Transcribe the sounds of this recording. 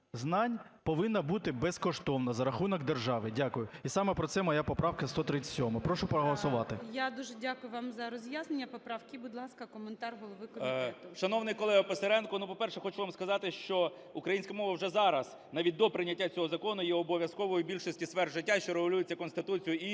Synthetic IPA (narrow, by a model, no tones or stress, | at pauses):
znɑnʲpɔʋɪnːɐbut̪ɪbɛskɔʃt̪ɔwnɐzɐɾɐxunɔɡd̪erʒɑʋɪdʲakʊjʊisɑmɛpɾɔsɛmɔjapɔpɾɑwkɐst̪ɔt̪ɾɪt͡sʲːɐ̥ɔmɪpɾɔʃʊpɾɔɦɔlˠɐsʊʋɑt̪ɪjad̪uʒɛdʲakʊjʊʋɑmzɐɾɔzʲjaznenʲːɐpɔpɾɑwkʲibʊd̪ʲlˠɑskɐkɔment̪ɑrɦɔlˠɔʋɪkɔmʲʃɐnɔwnɪjkɔlˠɛɦɐpeseɾɛnkɔnupɔpɛrʃɛxɔt͡ʃuʋamskɐzɑt̪ɪʃt͡ʃɔ | ukɾɐjinʲsʲkɐmɔʋɐwʐɛzɑɾɐs | nɑʋʲit̚ʲd̪ɔpɾɪnʲːɐtʲːat͡sʲɔɦɔzɐkɔnʊjɛɔbɔʋʲjɐskɔʋɔjʊbʲilʲʃɔsʲtʲisʋɛrʒɪtʲːaʃt͡ʃɔɾeɦɔlʲujɪt͡sʲːɐkɔnst̪ɪt̪ut͡sʲijʊi